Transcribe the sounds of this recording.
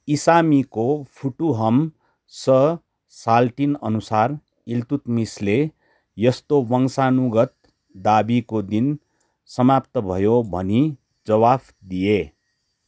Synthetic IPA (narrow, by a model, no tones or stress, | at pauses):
isamikopʰuʈuɦʌm | sʌ | salʈinʌnusar | ilt̪ut̪misle | jʌst̪owʌŋsanuɡʌt̪̚ | d̪abikod̪in | sʌmapt̪ʌbʱʌjobʱʌ̰ni | d͡zʌwabʰ | d̪ije